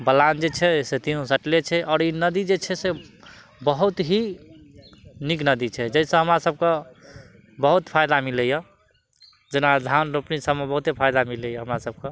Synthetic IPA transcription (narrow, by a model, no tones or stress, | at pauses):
bəland͡ʒet͡ʃʰɛset̪iũsəʈlet͡ʃʰɛʔɔːɾinəd̪id͡ʒet͡ʃʰɛse | bəɦut̪ɦi | niknəd̪it͡ʃʰɛd͡ʒəisə̃ɦəmɾasəb̚ke | bəɦut̪pʰajd̪amilejə | d͡ʒenad̪ʱanɾopnisəbmebəɦut̪ɦipʰajd̪amilejəɦəmɾasəb̚ke